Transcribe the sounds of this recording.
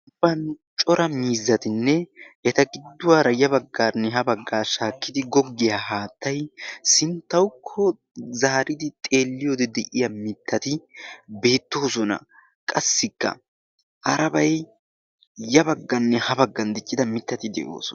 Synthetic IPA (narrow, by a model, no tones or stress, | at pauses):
ʊb̥ːɐn | t͡ʃʼɔɾʔɐmiːzːɐt̪ɪnːɛɛt̪ɐɡɪd̪ːʊwaːɾɐjɐbɐɡːaːnːɛɦɐbɐɡːaːʃaːkːɪd̪ɪɡɔɡːɪjaɦaːt̪ːɐjsɪnt̪ːɐwʊkʰːɔ | zɐhɐɾʔɪd̪ɪt̪ʼe̞ːlːɪjoːd̪ɛd̪ɛʔɪjɐmɪt̪ʰːɐt̪ɪbe̞ːt̪ːo̞ːsɔnɐ̰ | kʼɐsːɪkːɐ̰ | ʔɐɾɐbɐj | jɐbɐɡːɐnːɛhɐbɐɡːɐnd̪ɪt͡ʃʼːɪd̪ɐmɪt̪ːɐt̪ɪd̪ɛ̰ʔo̰ːsɔɐ